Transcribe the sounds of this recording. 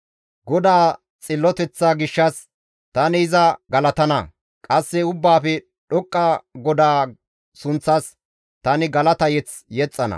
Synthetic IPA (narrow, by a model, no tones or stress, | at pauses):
ɡɔd̪aː | t͡sʼɪlːɔt̪ɛt͡sːaɡɪʃːɐs | t̪ɐnɪɪzɐɡɐlɐt̪ɐnɐ̰ | kʼɐsːɛʊbːaːfɛ | ɗɔkʼːɐɡɔd̪aː | sʊnt͡sːɐs | t̪ɐnɪɡɐlɐt̪ɐjɛt͡s | jɛt͡sʼːɐnɐ̰